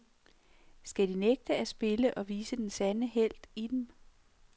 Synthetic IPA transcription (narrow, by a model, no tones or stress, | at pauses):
sɡ̥æd̥ineɡ̥̚d̥əæsb̥e̝ləʔɒ̽ʋiːsəd̥ensænəɦel̰d̥id̥em